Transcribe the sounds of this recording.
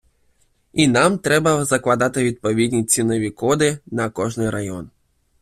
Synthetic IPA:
inamt̪ɾɛbɐzɐklˠad̪at̪ɪʋʲid̪̚pɔʋʲid̪ʲnʲit͡sʲinɔʋʲikɔd̪ɪnɐkɔʐnɪjɾajɔ̰n

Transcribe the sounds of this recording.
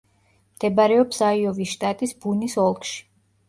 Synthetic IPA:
md̪̥ɛbaɾɛɔpsaiɔviʃt̪ʼat̪ʼisbunisɔlˠkʃi̥

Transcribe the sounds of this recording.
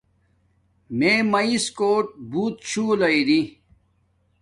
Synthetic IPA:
meːmɐiskoːʈ̚buːt̪̚t͡ɕʰuːlɐiɾi

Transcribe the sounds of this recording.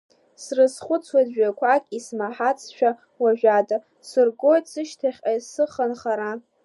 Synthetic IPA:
srɨsχʷʊt͡sʰwazᶣɥakʷʰakʲʼismaħat͡sʰʼʃʷᶣa | waʒᶣada | sɨrɡo̞jtʼsɨʃtʰaχʲajsɨχanχaɾa

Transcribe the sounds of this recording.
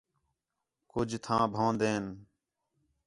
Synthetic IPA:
kʊd͡ʒʱt̪ʰãːbʱãːnd̪eːn

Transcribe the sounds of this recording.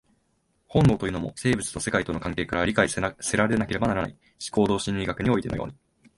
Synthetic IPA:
hõ̞nd̪oːt̪o̞jɯ̟no̞mo̞̰se̞ːbɯ̟t͡sɨ̥t̪o̞se̞kait̪o̞no̞kãŋke̞ːkaɾaɾʲikaise̞ɾaɾeenakeɾe̞banaɾana̰i | ɕi̥ko̞ːd̪o̞ːɕĩɲɾʲiɡakɯ̟ɲ̟io̞it̪e̞nojo̰ːɲ̟i

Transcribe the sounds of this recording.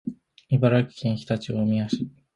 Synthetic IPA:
ibaɾakʲi̥kʲĩɰ̃çi̥t̪at͡ɕiomʲijaɕi

